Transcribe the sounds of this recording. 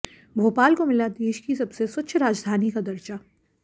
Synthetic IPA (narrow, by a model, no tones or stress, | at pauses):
bʱoːpaːlkomɪlad̪eːʃkisɐbsesʊt͡ʃʰɾaːd͡ʒd̪ʱaːnikad̪ɐɾt͡ʃa